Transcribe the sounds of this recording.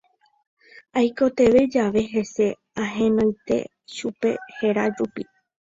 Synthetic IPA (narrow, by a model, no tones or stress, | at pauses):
ajko̞t̪e̞ʋe̞d͡ʒaʋe̞ɦe̞se̞ | ãɦẽ̞nõjt̪e̞̰ | ʃupe̞̰he̞ɾad͡ʒupi